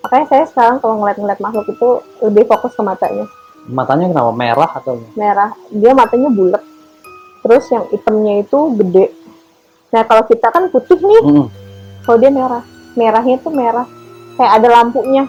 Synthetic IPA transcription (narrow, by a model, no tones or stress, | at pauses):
makaɲasajasə̥kaɾaŋkaloŋəliat̪̚ŋəliat̪̚maɦlʊkit̪uləbɪhfokʊskəmat̪a̰ɲa | mat̪aɲakəna̰pamḛɾaht̪awɲameɾahdiamat̪aɲabulət̪̚ | t̪əɾʊsjaŋit̪əmɲait̪uɡədɛʔ | nakalokit̪akanput̪ɪhnɪh̩ | kaladiameɾah | meɾaɦɲat̪umeɾah | kajakadalampuʔɲa